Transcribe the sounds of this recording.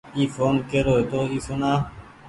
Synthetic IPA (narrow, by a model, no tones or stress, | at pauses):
iːfoːnkeːɾoːet̪oːiːsonaː